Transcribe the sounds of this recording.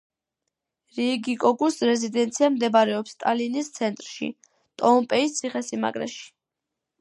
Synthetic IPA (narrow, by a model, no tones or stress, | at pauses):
ɾiɡikʼɔɡʼusɾɛzid̪ɛnt̪sʰiamd̪ɛbaɾɛɔpst̪ʼa̰linist̪sʰɛnt̪ʼɾʃḭ | t̪ʼɔmpʼɛist̪sʰiχɛsima̰kʼɾɛ̰ʃi̥